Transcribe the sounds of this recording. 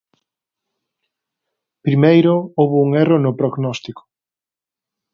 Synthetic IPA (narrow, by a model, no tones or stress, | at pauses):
pɾimejɾʊowβʊuŋɛronʊpɾoɣnɔst̪ikʊ̥